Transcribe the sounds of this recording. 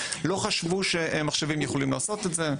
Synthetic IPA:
lo̞χaʃvuʃemaχʃevimjeχo̞limlaːso̞t̪et̪ze̞

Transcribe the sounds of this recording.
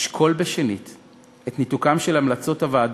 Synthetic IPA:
ʃkʰo̞lbeʃenit | etnitukamʃelamlat͡so̞thavaːd

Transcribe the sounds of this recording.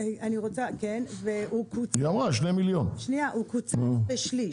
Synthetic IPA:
aniʁot͡sakenveukut͡sjamaʃnemiljonʃniaʔukut͡sbeʃli

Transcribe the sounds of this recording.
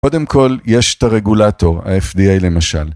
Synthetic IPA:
ko̞de̞mkʰo̞ljeʃe̥t̪aʁe̞ɡulato̞ʁa̰efdiejle̞maʃal

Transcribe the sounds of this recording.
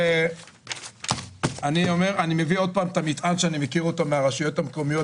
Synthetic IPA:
e | anio̞me̞ʁanime̞vio̞d̪̚paːmt̪amit̪ʔanʃeanimekiʁotameaʁaʃujo̞tamkomijo̞

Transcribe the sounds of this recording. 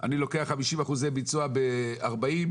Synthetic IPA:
ʔa̰nilo̞keaχamiʃimaχuzejbit͡suabeaʁbaim

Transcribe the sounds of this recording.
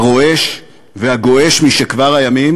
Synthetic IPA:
ʁo̞e̞ʃ | vehaɡo̞ʔe̞ʃmiʃekvaʁhajamim

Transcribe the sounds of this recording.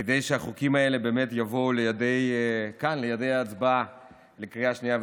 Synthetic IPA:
kedejʃeaχukimae̞le̞be̞ːmetjavo̞lejade̞jkanlejade̞jaːt͡sba | lekʁiaʃnijav

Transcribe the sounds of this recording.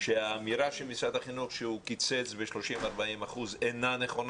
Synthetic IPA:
ʃeaːmiɾaʃelmisad̪aχinuχʃeukit͡set͡sbeʃlo̞ʃimaʁbaimaχuzenane̞χo̞n

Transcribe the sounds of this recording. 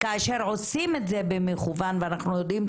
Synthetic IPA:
kaːʃe̞ʁʕo̞sime̞tze̞bemeχuvanveanaχnujo̞dim

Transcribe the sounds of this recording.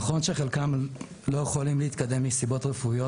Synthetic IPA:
χo̞nʃeχelkam | lo̞jeχolimleit̪kad̪e̞mlisibo̞t̪ʁefujo

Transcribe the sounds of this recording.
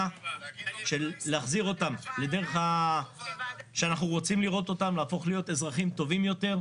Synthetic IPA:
a | ʃe̞lːeaχziʁo̞tamle̞de̞ʁeχa | ʃeanaχnuʁo̞t͡simliʁo̞t̪o̞tamlaːfo̞χlijo̞te̞zʁaχimt̪o̞vimjo̞te̞ʁ

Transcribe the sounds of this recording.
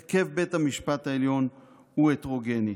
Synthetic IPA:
ke̞vbe̞thamiʃpat̪haeljo̞n | uetʁo̞ɡe̞ni

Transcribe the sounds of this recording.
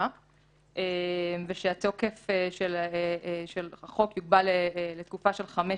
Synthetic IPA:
ʔemveʃeato̞ke̞feʃelː | ʃelχo̞kjuɡ̚balelet̪kufaʃe̞lχame

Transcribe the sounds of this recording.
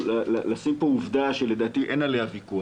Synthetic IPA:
lalalasimpouvd̪aʃele̞d̪aːt̪iʔenalehavikua

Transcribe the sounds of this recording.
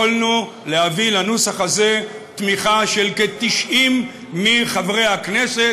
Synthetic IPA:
olnu | lehavilanusaχaze̞t̪miχaʃe̞lket̪iʃimː | iχavʁe̞hakne̞se

